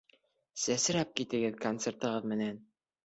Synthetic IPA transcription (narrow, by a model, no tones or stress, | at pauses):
sæsɘ̆ɾæp̚kit̪ɘ̆ɡɘðkont̪sert̪ɤ̆ʁɤðmɘ̆næn